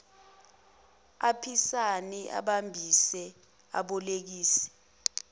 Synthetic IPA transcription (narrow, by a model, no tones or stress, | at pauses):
apʰisaniʔa̰ɓambʱisɛ | a̰ɓɔlek̬iːsɛ̥